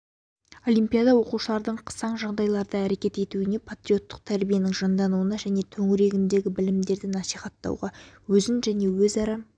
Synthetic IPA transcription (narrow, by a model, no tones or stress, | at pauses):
o̞lʲˠijmpʲijad̪ɑwo̞quʃəlˠɑɾd̪əɴqʰə̥sɑɴʒɑʁd̪ɑjlˠɑɾd̪ɑæɾe̞kʲe̞t̪e̞t̪uɪne̞pʰat̪ɾʲijo̞t̪ːə̥q̚t̪ʰæɾbije̞nɪŋʒɑnd̪ɑnuənɑʒæne̞t̪ʰɵŋɪɾe̞ɡʲɪnd̪e̞ɡʲɪbɪlɪmd̪e̞ɾd̪ɪnɑsiχɑt̪ːɑ̰wʁɑwɵzɪnʒæne̞wɵzɑɾɑ